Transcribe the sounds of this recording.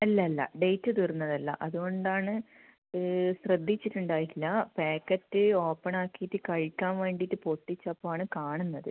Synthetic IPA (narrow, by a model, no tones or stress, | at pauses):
ɐlːɐlːɐ̰ɖejtːɨt̪irunːɐðɐlːɐ̰ʔɐðuɣo̞ɳɖaːɳɨ | ɕrɐd̪ʱːit͡ɕːiʈːuɳɖaːjilːɐpeːkːɐtːɨo̞ːpːɐɳaːkːijitːɨkɐɻikʲːaːmʋe̞ːɳɖitːɨpo̞ʈːit͡ɕːɐpːoːaːɳɨkaːɳunːɐðɨ